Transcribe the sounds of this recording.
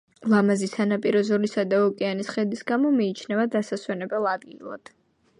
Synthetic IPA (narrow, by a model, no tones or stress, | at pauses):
lˠamazisanapʼiɾɔzɔɾisad̪aɔkʼɛanisχɛd̪isɡamɔmiːt͡ʃʰnɛvad̪asaswɛnɛbɛlˠad̪ɡilˠa̰d̪̥